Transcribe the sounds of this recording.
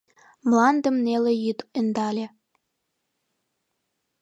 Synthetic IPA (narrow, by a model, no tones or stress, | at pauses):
mlˠɑnd̪ɤ̆mnʲelʲĕjit̪ɤ̆nd̪ɑlʲĕ